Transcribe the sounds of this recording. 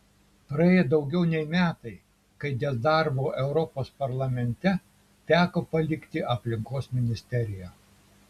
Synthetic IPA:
pɾɐeːjɛd̪ɒʊɡʲɛʊnʲɛɪmʲæːt̪ɐɪ | kɐɪd̪ʲɛːd̪ɐɾboːʔɛʊɾɔpoːspɐɾlˠɐmʲɛnʲt̪ʲɛ | t̪ʲæːkoːpɐlʲɪkt̪ʲɪʔɐpʲlʲɪŋkoːsmʲɪnʲɪsʲt̪ʲɛɾʲɪjæ

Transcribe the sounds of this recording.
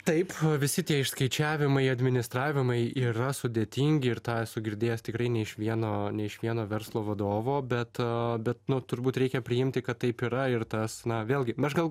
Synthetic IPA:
t̪ɐɪpʋʲɪsʲɪt̪ʲiɛɪʃskɐɪt͡ʃʲæːʋʲɪmɐɪɐd̪ʲmʲɪnʲɪst̪ɾɑːʋʲɪmɐɪiːɾɐsʊd̪ʲeːt̪ʲiŋʲɡʲɪɪɾt̪ɑːsʊɡʲɪɾʲd̪ʲeːjɛst̪ʲɪkɾɐɪnʲɛɪʃʋʲiɛnoːnʲɛɪʃʋʲiɛnoːʋʲɛɾslˠoːʋɐd̪oːʋoːbʲɛt̪bʲɛt̪nʊt̪ʊɾbuːt̪ɾʲɛɪkʲɛpʲɾʲɪɪmʲt̪ʲɪkɐt̪tːɐɪpiːɾɐɪrt̪ɐsnɐʋʲeːlˠʲɡʲɪmʲɛʃɡɐlˠ

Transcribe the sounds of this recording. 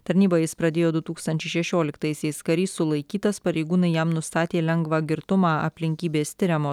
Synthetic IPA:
t̪ɐɾʲnʲiːbɐjɪspɾɐd̪ʲeːjoːd̪ʊt̪uːkst̪ɐnʲt͡ʃʲɛɪʃʲɛʃʲoːlʲɪkt̪ɐɪsʲɛɪskɐɾʲiːsʊlˠɐɪkʲiːt̪ɐspɐɾʲɛɪɡuːnɐɪjɛmnʊst̪ɑːt̪ʲeːlʲɛŋɡʋɑɡʲɪɾt̪ʊmɑːɐ̰pʲlʲɪŋʲkʲiːbʲeːst̪ʲɪɾʲɛmoː

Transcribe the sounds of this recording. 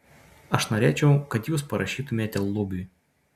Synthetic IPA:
ɐʃnoːɾʲeːt͡ʃʲɛʊkɐt̪juːspɐɾɐʃʲiːt̪ʊmʲeːt̪ʲɛlˠːʊbʲʊ

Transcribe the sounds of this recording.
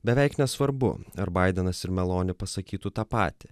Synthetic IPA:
bʲɛʋʲɛɪknʲɛsʋɐɾbʊ̰ɐɾbɐɪd̪ʲɛnɐsɪɾmʲɛlˠoːnʲɪpɐsɐkʲiːt̪uːt̪ɑːpɑ̰ːt̪ʲɪ

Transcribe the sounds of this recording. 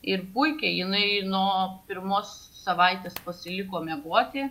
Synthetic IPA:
ɪrpʊɪkʲɛjɪnɐɪnuːpʲɪɾmoːsː | ɐʋɐɪt̪ʲeːspɐsʲɪlʲɪkoːmʲɛɡuɔt̪ʲɪ

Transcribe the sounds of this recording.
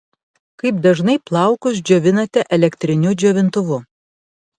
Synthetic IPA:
kɐɪp̚d̪ɐʒnɐɪplˠɐˑʊkʊsd͡ʒʲoːʋʲɪnɐt̪ʲɛʔɛlʲɛkt̪ʲɾʲɪnʲʊd͡ʒʲoːʋʲɪnt̪ʊʋʊ

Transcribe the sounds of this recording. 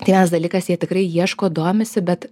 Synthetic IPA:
t̪ɐɪʋʲiɛnɐsd̪ɐlʲiːkɐsjiɛt̪ʲɪkɾɐɪjiɛʃkoːd̪oːmʲɪsʲɪbʲɛt̪

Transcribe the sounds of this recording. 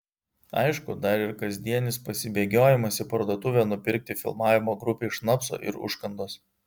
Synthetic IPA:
ɐ̰ɪʃkʊd̪ɐɾɪɾkɐzʲd̪ʲiɛnʲɪspɐsʲɪbʲeːɡʲoːjɪmɐsʲɪpɐɾd̪oɔt̪ʊʋʲɛːnʊpʲɪɾʲk̚t̪ʲɪfʲɪ̰lˠmɑːʋʲɪmoːɡɾʊpʲeɪʃnɐpso̰ːʔɪ̰ɾʊ̰ʃkɐnd̪oːs

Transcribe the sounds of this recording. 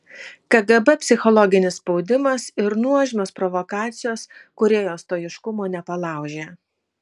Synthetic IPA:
kɐɡɛbɛpʲsʲɪxɔlˠɔɡʲɪnʲɪsspɒʊd̪ʲɪmɐsɪɾnuɔʒʲɪnoːspɾɔʋɔkɑːt̪sʲɪjoːskʊɾʲeːjoːst̪oːjɪʃkʊmoːnʲɛpɐlˠɑˑʊʒʲeː

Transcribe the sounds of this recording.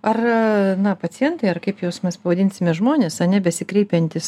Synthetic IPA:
ɐrnɐpɐt͡s̪ʲɪjɛnt̪ɐɪɐrkɐɪpjoːsmʲɛspɐʋɐd̪ʲɪnʲsʲɪmʲɛʒmoːnʲeːsɐnʲɛbʲɛsʲɪkɾʲɛɪpʲɛnʲt̪ʲɪs

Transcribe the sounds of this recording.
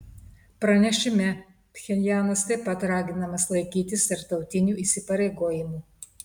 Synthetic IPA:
pɾɐnʲɛʃʲɪmʲɛ | pʲxʲɛlʲjæːnɐst̪ɐɪpɐt̪ɾɑːɡʲɪnɐmɐslˠɐɪkʲiːt̪ʲɪst̪ɐɾt̪ɒʊt̪ʲɪnʲuːiːˑsʲɪpɐɾʲɛɪɡoːjɪmuː

